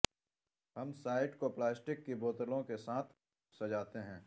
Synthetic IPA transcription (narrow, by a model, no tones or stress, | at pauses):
hɐmsaːɪʈkoplaːsʈɪkːiboːt̪əlõkesaːt̪ʰ | sɐd͡ʒaːt̪eɦɛ̃ː